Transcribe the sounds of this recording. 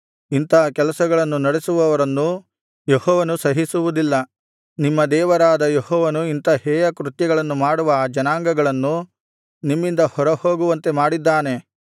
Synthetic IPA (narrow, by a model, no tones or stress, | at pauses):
int̪ɐɐkɛlɐsɐɡɐɭɐnːunɐɽesuʋɐʋɐɾɐnːu | jehɔːʋɐnusɐɦisuʋud̪ilːɐ | nimːɐd̪ɛːʋɐɾaːd̪ɐjehɔːʋɐnuint̪ɐhɛːjɐkɾut̪jɐɡɐɭɐnːumaːɽuʋɐːd͡ʒɐnaːŋɡɐɡɐɭɐnːu | nimːind̪ɐhɔɾɐhoːɡuʋɐnt̪e̞maːɽid̪ːaːne̞